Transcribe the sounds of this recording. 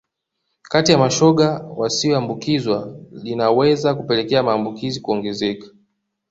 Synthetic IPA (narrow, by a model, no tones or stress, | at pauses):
katijamaʃɔɠawasiɔambukizwalinawɛzakupɛlɛkɛamaːmbukizikuɔŋɡɛzɛkḁ